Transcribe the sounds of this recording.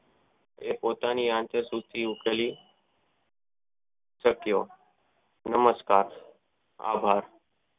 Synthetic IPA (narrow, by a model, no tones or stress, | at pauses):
epoːt̪aniːãnt̪əsut̪iukeliː | səkijoː | nəməskaːɾ | a̰ːbʱaːɾ